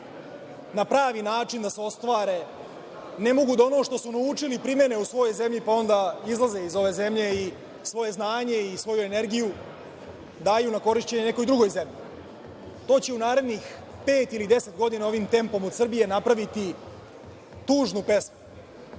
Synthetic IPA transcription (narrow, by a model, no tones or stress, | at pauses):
napɾaːʋinaːt͡ʃind̪aseo̞st̪ʋaːɾe̞ | ne̞mo̞ɡud̪ono̞ʂt̪o̞sunaut͡ʂilipɾime̞ne̞usʋo̞jojze̞mʎipao̞nd̪aizlˠaze̞izo̞ʋe̞ːze̞mʎe̞i | sʋo̞je̞znaːɲe̞isʋo̞jue̞ne̞ɾɡiju | d̪aːjunako̞ɾiʃt͡ɕe̞ɲeneko̞jd̪ɾuɡo̞jze̞mʎi | t̪o̞ːt͡ɕe̞unaːɾe̞d̪nix | pe̞ːt̪ilid̪e̞se̞t̪ɡo̞d̪inao̞ʋiːmt̪e̞mpo̞mod̪sr̩bije̞napɾaʋit̪i | t̪uːʐnupe̞smu